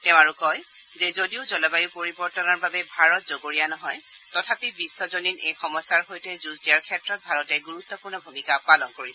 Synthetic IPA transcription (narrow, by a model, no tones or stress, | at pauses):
tɛʊ̃aɹukɔj | zɛzodiʊzɔlɔbajupoɹibɔɹtɔnaɹbabɛbʱaɹɔt̚zoɡoɹijanɔɦɔj | tɔtʰapibisːɔzoninejxɔmɔsːaɹɦojtɛzuzdijaɹkʰɛtɹɔt̚bʱaɹɔtɛɡuɹut̪ːɔpuɹnɔbʱumikapalɔnkoɹisɛ